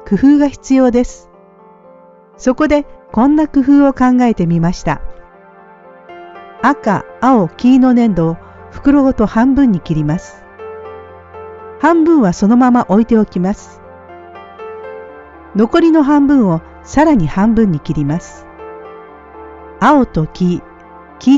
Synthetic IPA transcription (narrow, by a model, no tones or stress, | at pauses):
kɯ̟ɸɯ̟ːɡaçi̥t͡sɨjo̞ːd̪e̞sɨ̥ | so̞ko̞d̪e̞kõ̞nːakɯ̟ɸɯ̟ːo̞kãŋɡae̞t̪e̞mʲimaɕi̥t̪a̰ | aka̰ːo̞kʲiːno̞nẽ̞nd̪o̞ː | ɸɯ̥kɯ̟ɾo̞ːt̪o̞hãmbɯ̟̃ɲ̟ːikʲiɾʲimasɨ̥ | hãmbɯ̟̃ɰ̃βaso̞no̞mamaʔo̞it̪e̞o̞kʲimasɨ̥ | no̞ko̞ɾʲino̞ɦãmbɯ̟̃ɰ̃o̞ | saɾaɲ̟ihãmbɯ̟̃ɲ̟ːikʲiɾʲimasɨ̥ | ao̞t̪o̞kʲiː | kʲi